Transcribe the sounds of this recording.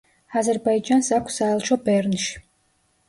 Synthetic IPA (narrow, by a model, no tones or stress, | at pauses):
azɛɾbaid͡ʒansakʷʰsaɛlˠʃɔbɛɾnʃ